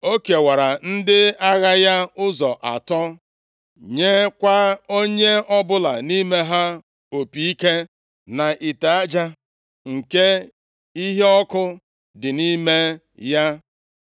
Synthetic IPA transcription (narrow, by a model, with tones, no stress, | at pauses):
o˦ke˨wa˨ɾa˨n̩˦dɪ˦a˦ɣa˦ja˦ʊ˦zɔ˨ʔa̰˨tɔ˦ | ɲe˦kʷa˦o˦ɲe˦ɔ˦bʊ˦la˨ni˦me˦ɦa˦ | o˨pi˨i˦ke˦ | na˨ʔi˨ta˨a˦d͡ʒa˦ | ŋ̩˨ke˦ | i˦ɦe˦ɔ˦kʊ˦ | dɪ˨ni˦me˦ | ja˦